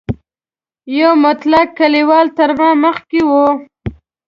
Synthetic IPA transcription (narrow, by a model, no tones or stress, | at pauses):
jawmʊt̪lakːaliwɑlt̪əɾmɑ̃məxkewo